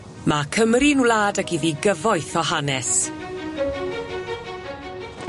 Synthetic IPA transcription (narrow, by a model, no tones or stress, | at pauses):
makʰəmrinulaːdaɡiðiɡəvɔjθɔɦanɛs